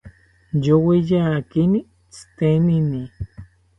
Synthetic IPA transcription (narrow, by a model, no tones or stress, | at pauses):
jowejaːkini | t͡st̪enini